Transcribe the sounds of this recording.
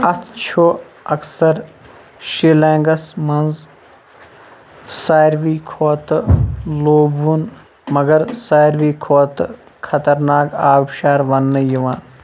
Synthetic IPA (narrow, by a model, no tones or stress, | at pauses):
ɐt̪t͡ʃʰoː | ɐksɐɾ | ʃilẽːŋɡɐsmɐnz | saːjɾʋiːkʰoːt̪loːbun | mɐɡɐɾsaːjɾʋiːkʰoːt̪ | kʰɐt̪ɐɾnaːkaːbʃaːɾʋɐnːɨjiʋaːn